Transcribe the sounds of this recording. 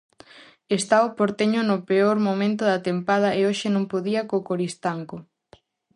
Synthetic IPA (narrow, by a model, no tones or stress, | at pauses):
est̪aopoɾt̪eɲʊnʊpeoɾmomẽnt̪ʊðɐt̪empað̞ɐeoʃɪnõŋpoðiɐkokoɾist̪aŋko